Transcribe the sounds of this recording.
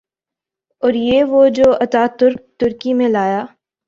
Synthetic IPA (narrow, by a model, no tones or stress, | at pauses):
ɔːɾjeːʋod͡ʒoːɐt̪aːt̪ʊɾkt̪ʊɾkimẽlaːjaː